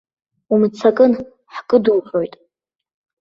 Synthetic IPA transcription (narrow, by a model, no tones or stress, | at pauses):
umt͡sʰakʼɨn | ħkʼɨdulħʷo̞jtʼ